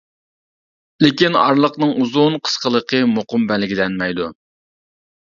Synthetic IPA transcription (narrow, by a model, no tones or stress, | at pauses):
lɪkʲinɑ̰ɾlˠəqnɨŋuzunqʰə̥sqəlˠəqʰəmoqʊmbɛlɪɡʲilɛnmɛjd̪u